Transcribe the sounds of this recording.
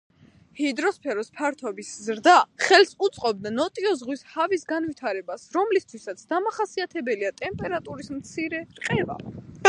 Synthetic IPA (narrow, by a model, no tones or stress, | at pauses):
hid̪ɾɔspʰɛɾɔspʰaɾt̪ʰɔbiszɾd̪aχɛlsut̪sʼqʼɔb̚d̪anɔt̪ʼiɔzʁwishavisɡanvit̪ʰaɾɛbasɾɔmlist̪ʰwisat̪sʰd̪amaχasiat̪ʰɛbɛliat̪ʼɛmpʼɛɾat̪ʼuɾismt̪sʰiɾɛɾqʼɛva̰